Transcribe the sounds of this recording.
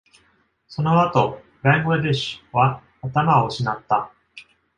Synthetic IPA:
so̞no̞at̪o̞ | bãŋɡed̪eɕβaː | t̪amaoɕinat̪ːa

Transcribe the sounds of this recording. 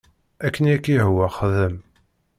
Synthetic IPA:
ækːənækːiɦwæχəðəm

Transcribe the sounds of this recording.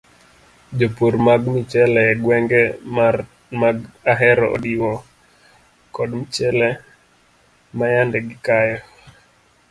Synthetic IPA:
d͡ʒopoɾmaɡmit͡ʃɛlɛɡwɛŋɡɛma | maɡaɦɛɾɔo̰diwɔ | kɔdmit͡ʃɛlɛ | majandɛɡɪkajɔ

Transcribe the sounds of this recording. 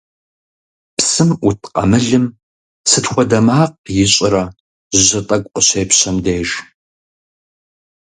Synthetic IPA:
psɨmutʰqʼɐ̰mɨɮɨm | sɨtxʷɔdɐmaːq̚jɪɕʼɪɾɐ | ʒʑɐtʼɐkʷʼəɕeːpɕɐmdeːʒ

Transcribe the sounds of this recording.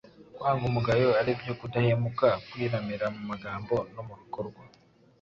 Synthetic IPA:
kwaːŋɡumuɡajoaɾibjo̞kudahemukakwiːɾamiɾamumaɡaːmbo̞nomuhikoɾɡwa

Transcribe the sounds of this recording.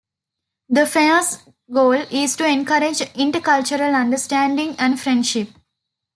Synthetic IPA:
d̪əfeməs | ɡoːlisʈuẽnkɐɾed͡ʒɪ̃ɳʈəkʌlt͡ʃəɾəlɐ̃ɳɖəsʈæ̃ːɳɖĩŋæ̃ɳɖfɾẽɳɖʃɪp̚

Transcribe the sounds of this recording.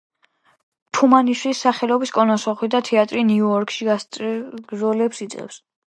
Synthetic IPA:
t̪ʰumaniʃwisaχɛlɔbiskʼɔnɔsɔχwid̪at̪ʰɛat̪ʼɾiniuɔɾkʰʼʃi | ɡzɔlɛpsit̪sʼqʼɛ̰fs

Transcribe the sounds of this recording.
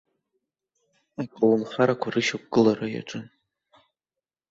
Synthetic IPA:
akʷʼalunχaɾakʷʰarɨʃak̚ʷʼɡɨlaraja̰ʈ͡ʂʼɨn

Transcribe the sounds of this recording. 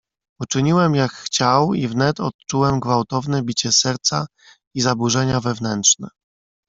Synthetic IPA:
ut͡ʂɘɲiwɛmjakxt͡ɕawivnɛt̪ɔt̪̚t͡ʂuwɛmɡvawt̪ɔvnɛbʲit͡ɕɛsɛɾt̪sa | izabuʐɛɲavɛvnɛntʂnɛ

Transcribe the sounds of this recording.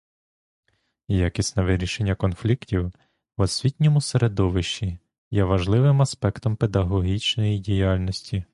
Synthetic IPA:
jakʲisʲtʲnɛʋɪɾʲiʃenʲːɐkɔnflʲiktʲiw | wɔsʲʋʲitʲnʲɔmʊseɾed̪ɔʋɪʃt͡ʃi | jɛʋɐʒlˠɪʋɪmɐspɛkt̪ɔmped̪ɐɦɔɦʲit͡ʃnɔjidʲijɑlʲnɔsʲtʲi

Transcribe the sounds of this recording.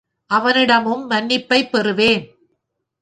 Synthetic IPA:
ʔɐʋɐnɪɽɐmɯmːɐnːɪpːɐɪpːɛɾɯʋeːn

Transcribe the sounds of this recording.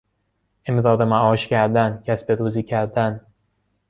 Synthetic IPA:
ʔemd̪ɒːd̪emæʔɒːʃcæɾd̪æncʲʰæsbeɾuːziːcʰæɾd̪æn

